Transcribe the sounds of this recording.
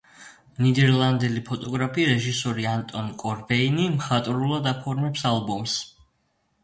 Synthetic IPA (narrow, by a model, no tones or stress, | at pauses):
nid̪ɛɾlˠand̪ɛlipʰɔt̪ʼɔɡɾapʰiɾɛʒisɔɾiant̪ʼɔnkʼɔɾbɛinimχat̪ʼɾulˠad̪apʰɔɾmɛpsalˠbɔms